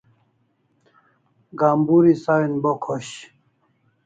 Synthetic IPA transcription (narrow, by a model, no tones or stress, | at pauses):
ɡaːmbuɾisawinbokʰoɕ